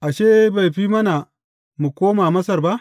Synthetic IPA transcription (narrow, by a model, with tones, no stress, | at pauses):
ʔa˨ʃeː˦ba˨jɸiː˦mɐ˦na˨ | mu˨kʷoː˦maː˨mɐ˦sɐ˨rba˦ʔ